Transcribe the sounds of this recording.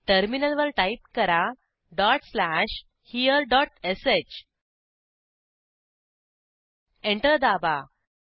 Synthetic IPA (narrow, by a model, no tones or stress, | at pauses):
ʈəɾminəlʋəɾʈaip̚kəɾa | ɖɔʈslæʂ | hiəɾɖɔʈeset͡ɕ | ẽɳʈəɾd̪aba